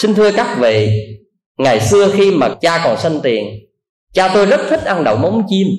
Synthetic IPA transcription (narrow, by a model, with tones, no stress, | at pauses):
sï˧ŋ̟t̪ʰɨ˧əkaː˦˥k̚vḭ˧˨ | ŋa˨˩jsɨ˧əxi˧maː˨˩t͡ɕaː˧kɔ˨˩nsa˧jŋ̟t̪i˨˩ən | t͡ɕaː˧t̪o˧jzə˦˥t̚t̪ʰi˦˥t̚ʔa˧nɗə̰˨wmə˨˦wŋ͡mt͡ɕi˧m